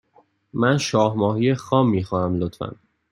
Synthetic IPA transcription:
mænʃɒːhmɒːhijexɒːmːiːxɔːnæmlot̪fæ̰n

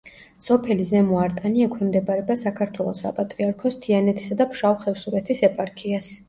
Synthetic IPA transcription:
sɔpʰɛlizɛmuaɾt̪ʼaniɛkʰwɛmd̪ɛbaɾɛbasakʰaɾt̪ʰwɛlˠɔsa̰pʼat̪ʼɾiaɾkʰɔst̪ʰianɛt̪ʰi̥sad̪apʰʃawχɛfsuɾɛt̪ʰisɛpʼaɾkʰias

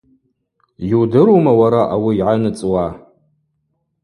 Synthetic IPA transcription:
judɨɾomawaɾaʔawiːʕanɨt͡sʼwa

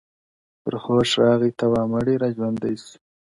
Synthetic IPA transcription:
pəɾxoːʂɾɑːɣit̪awɑːmaɽiɾad͡ʒwand̪ajs

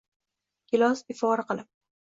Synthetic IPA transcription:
kʲɪlɒsɪfɒɾaqɨlˠɪp̚

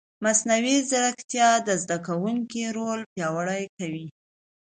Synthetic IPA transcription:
masnawizaɾakt̪jɑd̪əzd̪akawuŋkiɾolpjɑwəɽajkawi

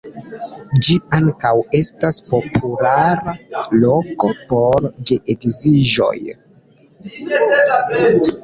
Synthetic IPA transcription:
d͡ʒiaŋkawe̞staspo̞pʰulaɾaloko̞po̞ɾd͡ʒeʔetiziʒo̞̰j

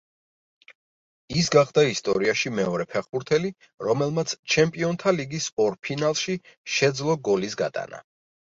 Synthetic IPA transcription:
isɡaχd̪aist̪ʼɔ̰ɾiaʃimɛɔɾɛpʰɛχbuɾt̪ʰɛli | ɾɔmɛlˠmat̪sʰt͡ʃʰɛmpʼiɔnt̪ʰaliɡisɔɾpʰinalˠʃi | ʃɛd̪zlˠɔɡɔlisɡa̰t̪ʼa̰na̰

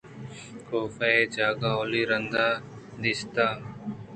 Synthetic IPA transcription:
koːfaeːd͡ʒaːɡaːoːliːɾənd̪aː | d̪ɪst̪aː

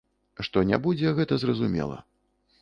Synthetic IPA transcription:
ʂt̪ɔnʲa̰bud͡zʲɛɣɛt̪ɐzrɐzumʲɛ̰lˠɐ̰

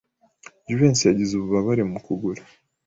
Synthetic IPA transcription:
d͡ʒuveːnsijaɟizuβuβaβaɾemukuɡuɾa

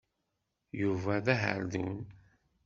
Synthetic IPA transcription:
juvæðæɦə̰ɾðun

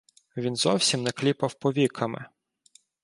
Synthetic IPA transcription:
ʋʲinzɔwsʲimnɛklʲipɐwpɔʋʲikʰɐmɪ̰

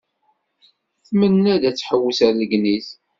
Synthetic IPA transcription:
θmənːæd̪æt͡sːħəwːəsæɾləɡniz

